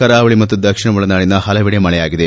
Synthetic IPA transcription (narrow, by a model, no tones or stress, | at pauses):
ɐɾaːʋɐɭimɐt̪ːud̪ɐkʂiɳɐʋuɭɐnaːɭinɐɦɐlɐʋiɽemɐɭɛjaːɡid̪e